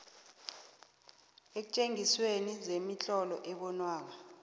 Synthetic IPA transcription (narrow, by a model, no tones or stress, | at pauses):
ek̬u̥t͡ʃʼeŋiswenizemit͡ɬʼɔlɔ̰ʔɛɓɔnwaːk̬a